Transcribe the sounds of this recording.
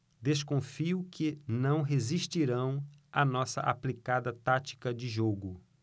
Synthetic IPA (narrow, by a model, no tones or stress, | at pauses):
d̪eskõfiʊkɪnɐ̃w̃ɦeziʃt͡ʃiɾɐ̃w̃ɐnɔsɐ̰ʔa̰plikad̪ɐt̪at͡ʃi̥kɐd͡ʒɪʒoɡʊ